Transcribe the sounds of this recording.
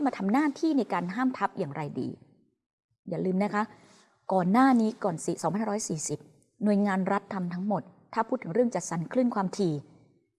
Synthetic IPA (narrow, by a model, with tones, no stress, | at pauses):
maː˧t̪ʰa˧mnaː˥˩t̪ʰiː˥˩na˧jkaː˧nɦaː˥˩mt̪ʰa˦˥p̚jaː˨˩ŋɾa˧jdḭː˧ | jaː˨˩lɯː˧mna˦˥kʰa˦˥ʔ | kɔː˨˩nːaː˥˩niː˦˥kɔː˨˩nsi˨˩sɔ˨˦pʰa˧ha˥˧ɾɔ˦˥jsiː˨˩si˨˩p̚ | nu˨˩əjŋaː˧nɾa˦˥t̪ʰːa˧mt̪ʰa˦˥ŋmo˨˩t̪ʰːaː˥˩pʰuː˥˩t̪ʰːɯ˩˦ɾɯ˥˩əŋt͡ɕa˨˩t̪̚sa˩˦nkʰlɯ˥˩˨nkʰwaː˧mt̪ʰiː˧